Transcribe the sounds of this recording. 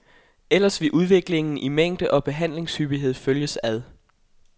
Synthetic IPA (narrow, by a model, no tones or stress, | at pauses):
el̰ɐsʋe̝ʔuð̞ˠʋe̝ɡ̥le̝ŋn̩ʔimeŋ̰d̥əʔɒ̽b̥e̝ɦæn̰le̝ŋshyb̥iɦe̝ð̞̰ˠføljəsæð̞ˠ